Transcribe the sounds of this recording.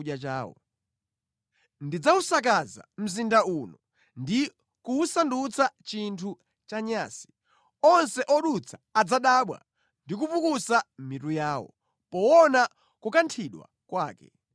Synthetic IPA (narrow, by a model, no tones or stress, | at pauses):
at͡ʃaːwɔ̰ | ndid͡zausak̬aza̰m̩zindaunɔ | ndi | kuːsandut͡sʰat͡ʃintʰu | t͡ʃaɲaːsi̥ | ɔnsɛʔɔɗut͡sʰḁːd͡zaɗaɓwa̰ | ndik̬upukusamitujaːwɔ̰ | pɔwɔna | kukantʰiɗwa̰ | kwaːkɛ̰